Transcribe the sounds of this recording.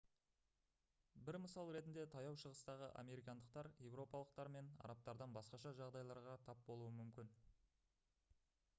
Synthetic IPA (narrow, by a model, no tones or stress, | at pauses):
bɪɾməsɑlˠɾe̞t̪ɪnd̪e̞t̪ʰɑjɑwʃəʁəst̪ɑʁəʔa̰mʲe̞ɾʲijkɑnd̪əq̚t̪ɑɾje̞vɾo̞pɑlˠəq̚t̪ɑɾme̞nɑ̰ɾɑp̚t̪ɑɾd̪ɑnbɑsqɑʃɑʒɑʁd̪ɑjlˠɑɾʁɑt̪ʰɑp̚bo̞lˠuəmʏmkʲɪn